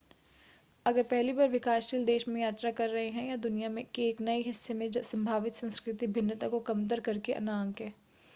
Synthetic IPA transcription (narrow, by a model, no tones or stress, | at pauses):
ɐɡəɾpɛɦlibaːɾʋɪkaːsʃiːld̪eːʃmẽjaːt̪ɾakɐɾːɐɦeɦɛ̃jad̪ʊnijamẽkeːknɐiɦɪsːemẽd͡ʒɐsɐ̃mbʱaːʋɪt̪sɐ̃nskɾɪt̪ibʱɪnːət̪akokɐmt̪əɾkɐɾkeʔɐ̰naːŋkɦɛ̃ː